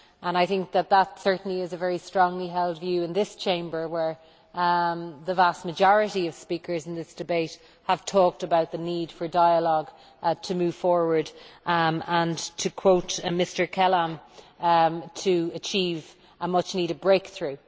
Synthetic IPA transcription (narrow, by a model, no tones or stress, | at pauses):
ʔə̃ñaɪθɪ̃ŋk̚ðət̪̚ðətsɜ˞ʔn̩liɪzəvɛɹistɹ̥ɔ̃ŋliɦɛlˠdvjʉːɪ̃nðɪst͡ʃʰẽɪ̃mbə˞wə˞ | ðəvast̚məd͡ʒɔɹɨɾiʌv̥spikʰə˞zɪ̃nðɪsd̥ɨbeɪt | həv̥tʰɔk̚təbaʊt̪̚ðəniːd̥fə˞daɪəlɔɡ | tʰəmʉːv̥fɔɹwə˞d | ə̃ntʰəkʰw̥oʊtmɪstə˞kʰɛlə̃m | tʰəət͡ʃʰiːv | əmʌt͡ʃniːɾəvbɹeɪkθɹʉː